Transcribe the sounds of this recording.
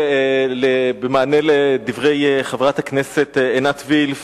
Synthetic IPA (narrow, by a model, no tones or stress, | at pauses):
lebemaːneled̪ivʁe̞jχavʁat̪haknese̞t̪enat̪vilf